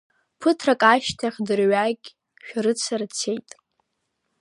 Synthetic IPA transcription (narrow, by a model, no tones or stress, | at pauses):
pʰɨtʰrakʼaʃtʰaχʲdɨrɥaɡʲ | ʃᶣɾɨt͡sʰart͡sʰe̞jtʼ